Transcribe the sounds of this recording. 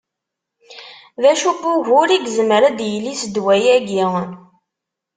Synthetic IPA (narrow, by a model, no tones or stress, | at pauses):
ðæʃubʊʝʊɾiɡzəməɾæd̪jəlːisd̪wæjæɡiʁən